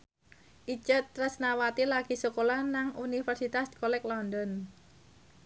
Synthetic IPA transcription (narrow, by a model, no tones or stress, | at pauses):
ʔit͡ʃət̪rəsnawat̪ilaɡ̥i̤sukolanaŋʔunifɛrsit̪askɔlɛklɔndɔn